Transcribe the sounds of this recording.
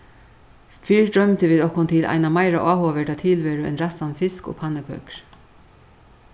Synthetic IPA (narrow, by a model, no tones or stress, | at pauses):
fiːɹdɾœmt̪ɪʋiːðɔhkʊnt̪ʰɪlʔa̰jnamajɾaʔaːɦoːaʋɛʈat̪ʰɪːlvɛːɾʏɛ̰nɾast̪anfɪskɔ̰ːpʰanːɪkʰœ̰kɾ̥